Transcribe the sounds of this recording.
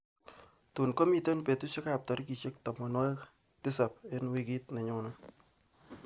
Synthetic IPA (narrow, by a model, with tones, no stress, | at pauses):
tu˨nko˦mi˨te˦npe˨tu˦ʃɪ˦ka˨p̚tɔ˨ɾki˨t͡ʃe˦k̚tɔ˨mɔ˨nwa˦k | tɪ˦sa˨pe˦nwi˦ki˦tnɛ˨ɲʊ˨nɔ˦